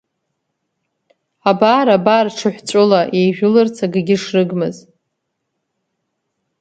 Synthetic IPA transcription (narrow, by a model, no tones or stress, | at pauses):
abaːɾabaːrʈ͡ʂʰɨħʷt͡sʷʼʊlajejʒʷᶣʊlɨrt͡sʰaɡɨɡʲɪʂrɨɡmɨz